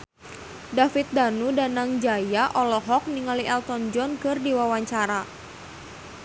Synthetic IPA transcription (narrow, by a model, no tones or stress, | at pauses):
dafit̪̚danudanaŋd͡ʒajaʔɔlɔɦɔk̚niŋaliʔɛlt̪ɔnd͡ʒɔnkɨrdiwawaɲt͡ʃaɾa